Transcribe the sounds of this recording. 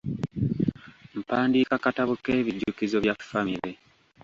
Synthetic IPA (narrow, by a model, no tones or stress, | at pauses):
m̩paːndiːkakataβuke̞ːβiɟːukizoβjafːamiɾe̞